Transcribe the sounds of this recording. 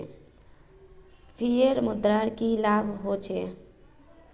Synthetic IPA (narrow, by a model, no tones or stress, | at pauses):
pʰijeɾmud̪ɾaɽkilabʱɦot͡ʃʰe